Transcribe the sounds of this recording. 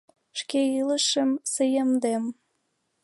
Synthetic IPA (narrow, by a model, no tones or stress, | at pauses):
ʃkeiləʃə̆msəjəmd̪em